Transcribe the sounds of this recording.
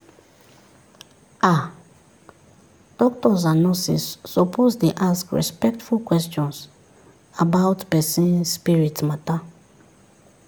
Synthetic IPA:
ʔa | d̥ɔktɔzanɔsḭsːɔpʰozdeʔaskɹɛ̰spɛk̚tfulkwɛstɔ̃ns | abaʊtpɛsĩnspiɹitmata

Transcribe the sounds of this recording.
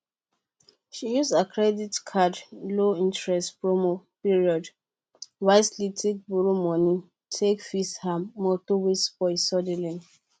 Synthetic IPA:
ʃijusdakʰɹɛditkʰadloĩntɹɛstpɹomopiɹiɔd | waɪslitʰek̚buɹomɔ̃ni | tʰekfishamɔtowesbɔisɔdɛlĩn

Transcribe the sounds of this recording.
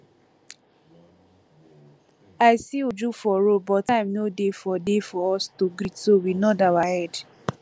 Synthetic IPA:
aɪsiud͡ʒufɔɾobɔtãɪmnodefɔdefɔɔstoɡɾitsowinɔdawahɛd

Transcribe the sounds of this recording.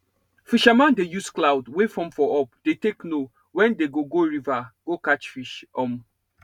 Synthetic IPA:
fiʃamãndejusklawdwefɹɔ̃mfɔʔɔpd̥etekno | wɛ̃ndeɡoɡoɹivaɡ̥okat͡ʃfiʃɔm

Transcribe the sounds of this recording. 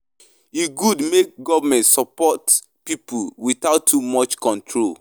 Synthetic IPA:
jiɡudmek̚ɡɔvəmɛ̃ntsɔpɔt | pipʰulwiθaʊtʰːumɔt͡ʃkɔ̃ntʰɹol

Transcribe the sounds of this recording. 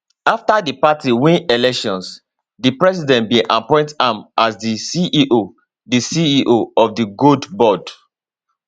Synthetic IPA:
aftadipatiwĩnelɛkʃɔ̃ns | dipɹɛs̬idɛ̃ntbĩʔapɔ̃ɪ̃ntãmasdisiʔiʔo | disiiʔoɔfdiɡudbɔd

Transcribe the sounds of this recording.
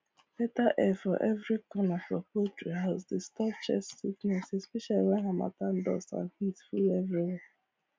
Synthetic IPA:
betaʔɛfɔ̰ʔɛvɾikɔnafɔpotɹiɦaʊsdestɔpt͡ʃɛ̰sːiknɛsespiʃalɾaɦama̰tan̩dɔ̰sã̰nhitfulevɾiwɛ

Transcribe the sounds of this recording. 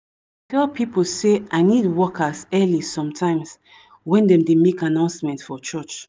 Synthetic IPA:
tʰɛlpʰipolseaɪnidwɔkʰasɛlisɔ̃mtʰãɪ̃ms | wɛ̃ndɛ̃mdemekanãʊ̃nsmɛ̃ntfɔt͡ʃɔt͡ʃ

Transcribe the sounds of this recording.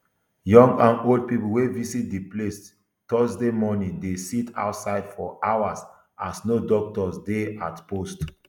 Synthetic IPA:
jɔ̃ŋɡãnold̚pipl̩wevisit̚diples | tɔsdemɔnĩdesitʰa̰ʊtsaɪdfɔʔawas | asnodɔk̚tɔsdeatpost

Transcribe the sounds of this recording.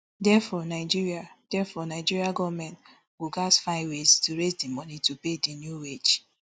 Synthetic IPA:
dɛfɔnaɪd͡ʒiɹiad̥ɛfɔnaɪd͡ʒiɹiaɡɔvmɛ̃nt | woɡasfaɪweztuɾezdimɔnitupedinjuwed͡ʒ

